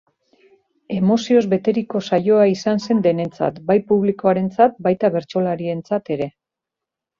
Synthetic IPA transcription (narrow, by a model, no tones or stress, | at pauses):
e̞mo̞sio̞zβe̞t̪e̞ɾiko̞sajo̞aisanse̞nd̪e̞ne̞nt͡sa̰t̪bajpuβ̞liko̞aɾe̞nt͡sat̪̚bajt̪aβe̞ɾt͡ʃo̞laɾie̞nt͡sat̪e̞ɾe̞